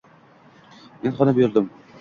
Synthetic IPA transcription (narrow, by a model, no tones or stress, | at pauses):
menχɒnabjʊɾd̪ɪm